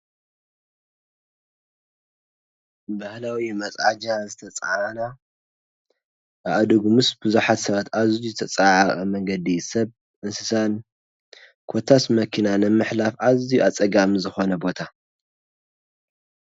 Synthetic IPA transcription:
bahlawimɐt͡sʼʕad͡ʒazɨt̪ʰɐt͡sʼaʕana | ʔaʔad̪uɡumɨsbɨzuħat̪sɐβat̪azizɨt̪ʰɐt͡sʼaʕaʔʼɐmɐŋɡɐd̪isɐβ | ʔɨnsɨsan | kʰot̪ʰːasmɐkʰinanɐmɨħlafazijuʔat͡sʼɐɡamizɨxo̞nɐbo̞t̪ʰa

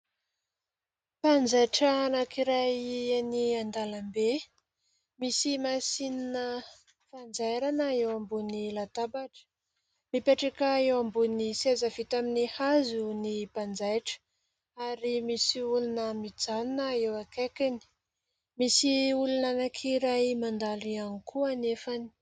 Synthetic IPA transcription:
pand͡zajʈ͡ʂənakiɾajaniand̪alambe | misimasininə | fand͡zajɾanəewambunilat̪abaʈ͡ʂə̥ | mipeʈ͡ʂakəewambunisezəvit̪aminihazunipand͡zajʈ͡ʂə̥ | aɾimisiulunəmid͡zannəewakakani̥ | misiulunanakʰiɾajmand̪alianikʰuanefani̥

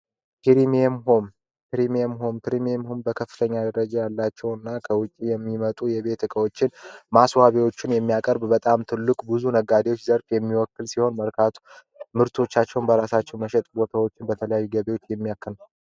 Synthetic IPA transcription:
kʰiɾimmhom | pɾimɛmɦompʰɾimiemhombəkʰəfːɨt̪ʰəɲːad̪əɾəd͡ʒajalːat͡ʃːɛwɨnːakʰəwʊt͡ʃʼːijɛmːimət̪ʼujɛβe̞t̪ɨkʼəwo̞t͡ʃːɪnmaswaβiwo̞t͡ʃːɪnjɛmːijakʼəɾbbət̪ʼamt̪ʰɨlːɨkʼbɨzunəɡad̪ewo̞t͡ʃːzəɾfjɛmːiwɔkːɨlsiho̞nməɾkʰat̪ʰu̥ | mɨɾt̪ʰo̞t͡ʃːat͡ʃːɛwnbəɾasat͡ʃːɛwməʃɛt̪ʼbo̞t̪ʰawo̞t͡ʃːɪnbət̪ʰələjajːuɡəβewo̞t͡ʃːjɛmːijakːɨn

